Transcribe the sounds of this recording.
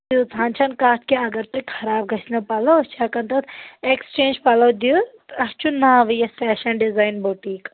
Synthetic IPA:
d̪iut͡sãːnt͡ʃʰɐnkaːt̪ʰkeɐɡɐɾt̪ukʰɐɾaːb̚ɡʱɐt͡ʃʰnɐpɐlɐt͡ʃʰakɐnt̪ɐt̪ekst͡ʃẽːnd͡ʒpɐlɐwd̪iu | ɐst͡ʃʰunːaʋɨjɐspɛːʃɐnɖizaːjnboʈiːk

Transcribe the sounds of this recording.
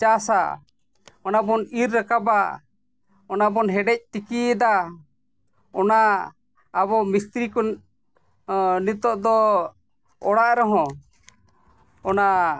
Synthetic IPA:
t͡ʃasa̰ | ɔnabɔniɾːakaba | ɔnabɔnɦɛɖɛc̚t̪ikid̪a | ɔnaː | bɔmist̪ɾikɔn | nit̪ɔʔd̪ɔ | ɔɽaʔɾɔɦɔ̃ | ɔna

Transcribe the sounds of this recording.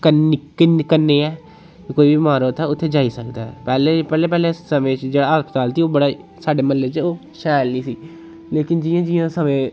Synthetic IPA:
kənkɪnkənːeːɛː | koːiːbiiːmaːɾoːt̪ʰɛːʊt̪ʰːeːd͡ʒaːisəkd̪aːɛ̰pɛːlepɛːleːpɛːlesəmẽːt͡ʃd͡ʒeːɽaːɦəspət̪aːlt̪iːoːbəɽaː | saːɖeːməlːeːt͡ʃoː | ʃaːlniːsiː | leːkɪnd͡ʒɪːãːd͡ʒɪːãːsəmẽː

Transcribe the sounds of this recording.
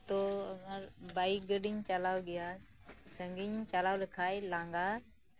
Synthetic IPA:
t̪oːməɾbaːikɡəɗɪɲt͡ʃəlaːʋɡɪjaː | səŋɡiɲt͡ʃalaːʋlɪkʰaːelãːŋɡaː

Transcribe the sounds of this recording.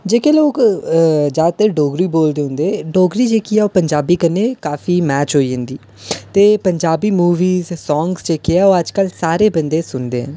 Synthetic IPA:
d͡ʒeːkeːloːk | d͡ʒaːt̪eːɖoːɡɾiːboːld̪eːɦʊ̃nd̪eːɖoːɡɾiːd͡ʒeːkiːaːoːpəɲd͡ʒaːbiːkəneːkaːfiːmɛːt͡ʃɦoːiːɦə̃nd̪iː | t̪eːpəɲd͡ʒaːbiːmuːʋiːzsɔːŋɡsd͡ʒeːkeaːoːəd͡ʒkəlsaːɾeːbənd̪eːsʊnd̪eːɦə̰̃n

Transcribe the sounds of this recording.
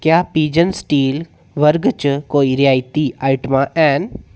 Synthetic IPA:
kjaːpiːd͡ʒənsʈiːl | ʋəɾɡt͡ʃkoːiɾjaːjt̪iʔaːɪʈmãːʔɛːn

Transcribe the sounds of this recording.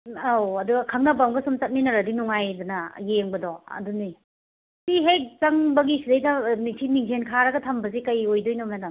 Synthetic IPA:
awɐduɡɐkʰɐmnɐbamɡɐsumt͡ʃɐt̚ninɐɾɐdinuŋajdunɐjeŋbɐdɔɐ̰duni | siɦek̚t͡ʃɐŋbɐɡisidɐjdɐmitʰimiŋzʰenkʰaɾɐɡɐtʰɐmbɐzikɐjojdojnɔmnadam

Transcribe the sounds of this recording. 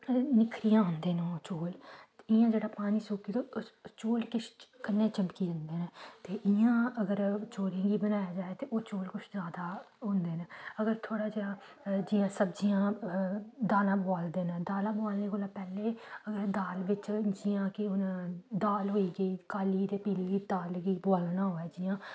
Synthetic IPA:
nɪkʰɾijãːɦʊnd̪eːnẽːt͡ʃoːlɪãːd͡ʒeːɽaːpaːniːsoːkiːd̪oːt͡ʃoːlkɪt͡ʃʰkənːẽːt͡ʃəmkiːd͡ʒənd̪eːnet̪eːʔɪãːəɡəɾt͡ʃoːlẽːɡiːbənaːjaːd͡ʒaːeːt̪eːʔoːt͡ʃoːlkʊt͡ʃʰzaːd̪aː | ɦʊ̃nd̪eːnaəɡəɾt̪ʰoːɽaːd͡ʒeːɽãː | d͡ʒɪːãːsəbd͡ʒijãː | d̪aːlãːbaːld̪eːnãːd̪aːlãːboaːlneːkoːlaːpɛːleːəɡəɾd̪aːlʋɪt͡ʃd͡ʒɪjãːkɪʊnd̪aːlɦoːiːɡəiːkaːliːt̪eːpiːliːiːd̪aːlɡəiːboaːlnaːɦoːɛːd͡ʒɪːãː

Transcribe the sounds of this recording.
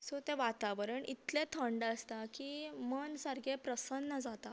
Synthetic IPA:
sot̪eʋat̪aʋɾəɳit̪lẽt̪ʰəɳɖəst̪akiːmənsəɾɡʱepɾəsənːəd͡zat̪a

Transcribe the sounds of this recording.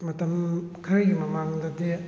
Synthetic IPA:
mɐtɐmkʰɐɾɐɡimɐmaŋdɐde

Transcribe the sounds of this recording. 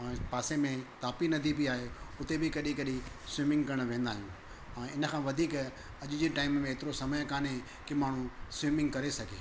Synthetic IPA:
ɛ̃ːpaːsemẽt̪aːpinɐd̪ʱibiaːɦeʊt̪ebʱɪkɐɗĩkɐɗĩ | swiːmɪ̃ŋɡkɐɾəɽ̃ʋẽːnd̪aːɦijũ | ɛ̃ːɪnə̆kʰãːʋɐd̪ʱiːk | ɐʄɪd͡ʑiʈaːɪmmẽeːt̪ɪɾosɐməjkaːnẽ | kɪmaːɳ̤̃ũsʋiːmɪ̃ŋɡkɐɾesɐɡʱḛː

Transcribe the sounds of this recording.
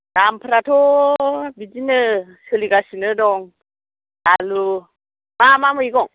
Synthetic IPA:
dampʰɾatʰobid͡ʒinəsəliɡasinədɔŋ | alu | mamaməiɡɔŋ

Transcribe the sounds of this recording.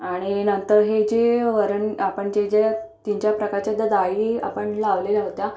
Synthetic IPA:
aɽ̃inənt̪əɾɦed͡ʑeʋəɾəɳapəɳd͡ʑed͡ʑet̪iɲt͡ɕjapɾəkaɾt͡ɕjad̪ʱəd̪aia̰pəɳlaʋlelaɦot̪ja

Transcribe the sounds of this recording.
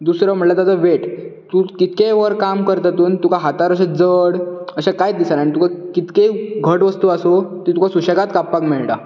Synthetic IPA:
d̪usɾam̤əɽlat̪ad͡zaʋeʈt̪ukit̪keʋəɾkamkəɾt̪at̪uːnt̪ukʰaɦat̪aɾəɕ̬ad͡zəɽəɕakajt̪d̪isanaɽ̃it̪ukakit̪keɡʱəʈʋəst̪uasot̪it̪ukʰasuɕəɡat̪kapːakmeɭʈa

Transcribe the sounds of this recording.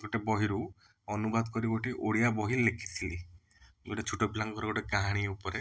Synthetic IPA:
ɡɔʈebɔɦiɾu | ɔnubad̪kɔɾibɔʈiʔoɽijabɔɦilekʰi̥t̪ʰili | ɡuʈet͡ʃʰuʈɔbilaŋkɔɾɔɡoʈeɡaɦaɽ̃ieupɔɾe

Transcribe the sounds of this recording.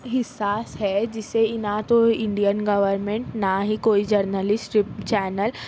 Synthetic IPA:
ɦɪsːaːsɦɛd͡ʑɪseɪnãt̪oɪ̃ɳɖijənɡɐʋəɾmẽɳʈnaɦikoːid͡ʒɐɾnəlɪsʈʈɪpt͡ʃɛːnəl

